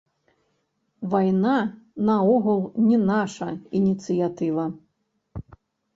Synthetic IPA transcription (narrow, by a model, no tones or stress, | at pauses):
vajnanɐɔɣulˠnʲɛnaʂɐinʲit̪sɨjat̪ɨvɐ